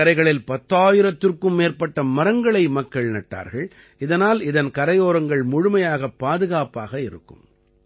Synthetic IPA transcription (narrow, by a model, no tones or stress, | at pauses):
ɐɾɐɪɣɐɭɪlpɐt̪ːaːjɪɾɐt̪ːɪrkɯmːeːrpɐʈːɐmɐɾɐŋɡɐɭɐɪmɐkːɐɭnɐʈːa̰ːɾɣɐɭ | ɪðɐnaːlɪðɐnkɐɾɐjoːɾɐŋɡɐɭmʊɻʊmɐjaːɣɐpːaːðɯɣaːpaːɣɐɪɾɯ̰kːɯ̰m